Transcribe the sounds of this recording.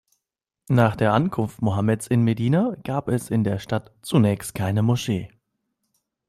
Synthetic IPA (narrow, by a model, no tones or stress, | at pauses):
naːχd̥eːɐʔankʰʊnftmoɦamɛt͡sɪnmediːnaɡ̥aːpɛsɪndeːɐʃtatt͡sunɛːçstkʰaɪnəmoʃeː